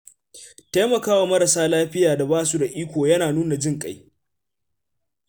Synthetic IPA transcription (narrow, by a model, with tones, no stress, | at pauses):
ta˦mɐ˨kaː˦wa˨mɐ˦ɾa˨saː˦laː˦ɸɪ˦jaː˨da˨baː˦su˦da˨ʔiː˦kʷoː˨jɐ˦naː˨nuː˦na˨d͡ʒɪ˦ŋkʼa˦j